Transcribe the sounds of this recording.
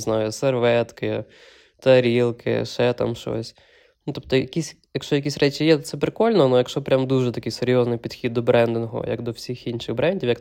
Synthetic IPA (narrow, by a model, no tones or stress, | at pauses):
znajʊserʋɛt̪kɪ | t̪ɐɐɾʲilˠkʰɪ̰ʃɛt̪a̰mʃɔ̰sʲ | nut̪ɔp̚t̪ɔjɐkʲisʲ | jɐkʃt͡ʃɔjɐk̬ʲisʲɾɛt͡ʃʲijɛt̪ɔt̪sɛpɾɪkɔlʲnɔnujɐkʃt͡ʃɔpɾʲamd̪uʒɛt̪ɐkɪjseɾʲjɔznɪjpʲid̪xʲid̪ːɔbɾɛnd̪ɪnɔɦɔ̰jɐ̰ɡd̪ɔwsʲixinʃɪɣbɾɛnʲdʲiwjɐk